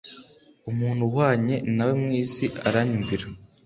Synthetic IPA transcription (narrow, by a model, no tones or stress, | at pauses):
umuːn̥huwaːɲe̞nawemŋiːsiʔaɾaɲuɱviɾa